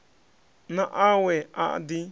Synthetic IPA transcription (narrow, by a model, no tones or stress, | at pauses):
nãʔawea̰ʔdi